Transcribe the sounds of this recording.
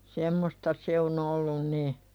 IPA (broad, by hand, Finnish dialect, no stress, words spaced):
semːostɑ se on olːun ni